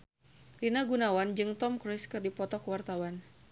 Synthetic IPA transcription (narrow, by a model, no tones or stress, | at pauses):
rinaɡunawand͡ʒɨŋt̪ɔmkɾɪskɨrdipɔt̪ɔkəwart̪awan